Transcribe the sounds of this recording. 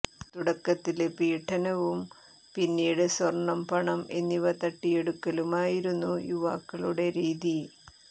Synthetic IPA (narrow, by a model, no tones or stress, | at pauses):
t̪uɽɐkːɐt̪ːilepiːʈʰːɐnɐʋum | pinːiːɽɨsʋɐrɳːɐmpɐɳɐme̞nːiʋɐt̪ɐʈːije̞ɽukːɐlumaːjiɾunːujuʋaːkːɐɭuɽe̞ɾiːði